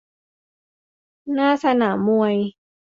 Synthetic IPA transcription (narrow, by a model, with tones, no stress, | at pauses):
naː˥˩sa˧naː˩˦mːu˧ɐəj